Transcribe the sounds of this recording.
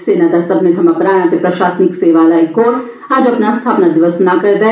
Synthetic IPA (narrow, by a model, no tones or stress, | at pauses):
seːnad̪asɐbnet̪ʰɐmapɾaːnãt̪epɾɐʃaːsnɪkseːʋalaikoːɾ | aːd͡ʒɐpnast̪ʰaːpnad̪ɪʋəsnakɐɾd̪a